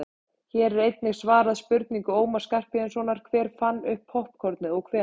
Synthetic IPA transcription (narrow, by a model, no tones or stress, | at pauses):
çɛːɾɛɾejt̪nɪɣsvaːɾaðspʏɾt̪niŋkʏoːwmḁskar̥pɪɛnsvɔːnaɾ̥kʰvɛːɾ̥fanːʏhphohpkʰɔɾt̪nɪɔɣkʰvɛː